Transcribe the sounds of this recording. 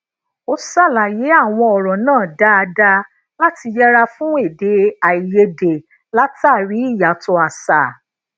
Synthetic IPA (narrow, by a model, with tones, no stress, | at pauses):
o˦sa˦˨la˨je˨˦a˦˨w̃ɔ̃˧ɔ˨ɾɔ̃˨nãː˦˨da˦a˧da˧ | la˦ti˧jɛ˦ɾa˧fũ˦e˦˨de˨˦a˨i˨je˧de˨ | la˦ta˦˨ɾi˨˦i˦˨ja˨˦tɔ˧a˨sa˨